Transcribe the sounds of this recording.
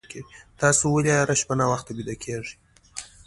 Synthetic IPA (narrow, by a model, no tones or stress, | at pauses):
keit̪ɑsowəlʲaɾaʃpanawaxt̪abid̪akʰeʐi